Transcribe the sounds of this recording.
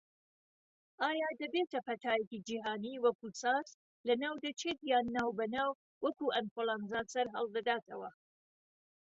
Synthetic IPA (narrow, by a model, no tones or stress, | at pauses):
ʔaːjaːd̪ɐbeːt̪ʰɐpʰɐt̪ʰaːjekid͡ʒiːɦaːniːwɐkusaːz | lɐnaːwd̪ɐt͡ʃʰeːt̪jaːnːaːwbɐnaːw | wɐkuːʔɐnkolˠanzaːsɐɾɦɐ̰lˠd̪ɐd̪aːt̪ʰɐwɐ̰